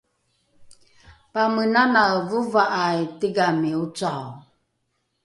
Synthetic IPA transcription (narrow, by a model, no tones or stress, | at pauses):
pamənanawvuvaʔajtiɡamiut͡saw